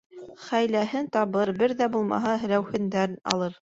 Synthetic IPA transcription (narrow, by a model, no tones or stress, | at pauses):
χæjlæɦɘnt̪ɑβɤɾbɘɾðæbulˠmɑ̰ɦɑɦɘ̆læwhɘ̆nd̪ænɑ̰lˠɤɾ